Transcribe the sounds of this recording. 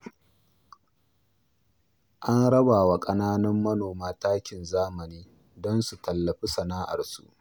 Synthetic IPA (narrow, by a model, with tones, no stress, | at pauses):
ʔa˦nɽɐ˦baː˨wa˨kʼɐ˦naː˦nɐ˦mːɐ˦noː˨maː˦taː˦kʲɪ˨nzaː˦mɐ˨niː˦ | dɔ˦nsu˨tɐ˨lːɐ˨ɸi˦sɐ˨naː˦ʔa̰˨rsṵ˦ʔ